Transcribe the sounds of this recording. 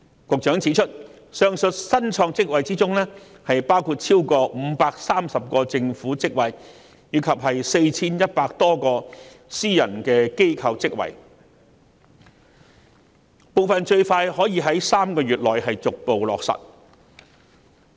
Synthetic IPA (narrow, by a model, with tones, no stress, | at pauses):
kʊ˨k̚t͡ʃœː˨˥ŋt͡sʰiː˨˥t͡ʃʰɵ˥t̚ | sœː˧ŋsɵ˨t̚sɐ˥nt͡ʃʰɔː˧ŋt͡sɪ˥k̚wɐ˨jt͡siː˥t͡sʊ˥ŋlɛː˥ | hɐ˨jpaː˥wkʰuː˧t̚t͡sʰiː˥wkɔː˧m̩˨˥paː˧k̚saː˥msɐ˨p̚kɔː˧t͡sɪ˧ŋfuː˨˥t͡sɪ˥k̚wɐ˨j | jiː˨˧kʰɐ˨p̚ɦɐ˨jse˧jt͡sʰiː˥njɐ˥t̚paː˧k̚t̪ɔː˥kɔː˧ | siː˥jɐ̰˨˩nkɛː˧ke˥jkʰɐ˧wt͡sɪ˥k̚wɐ̰˨j | po˨wfɐ˨nt͡ʃɵ˧ɥfaː˧jhɔː˨˥jiː˧ɦɐ˨˥jsaː˥mkɔː˧ɥyː˨t̚lɔː˨jɦɐ˨jt͡sʊ˨k̚po˨wlɔ̰ː˨k̚sɐ̰˨˩t̚